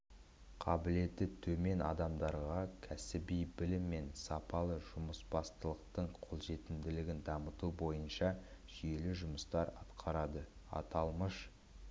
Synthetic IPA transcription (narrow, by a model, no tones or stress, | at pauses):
qʰɑbɪle̞t̪ːɪt̪ʰɵme̞nɑ̰d̪ɑmd̪ɑɾʁɑkʲʰæsɪbijbɪlɪmːe̞nsɑpɑlˠəʒʊməsbɑst̪əlˠəq̚t̪əɴqʰo̞lˠʒe̞t̪ɪmd̪ɪlɪɡʲɪnd̪ɑmət̪ubo̞jənʃɑʒ̥ije̞lɪʒʊməst̪ɑɾɑ̰t̪qʰɑɾɑd̪əɑ̰t̪ɑlˠməʃ